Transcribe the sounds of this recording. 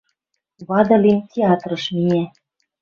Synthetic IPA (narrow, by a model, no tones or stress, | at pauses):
βɑd̪ɤ̆limtʲeɑt̪rɤ̆ʃminʲæ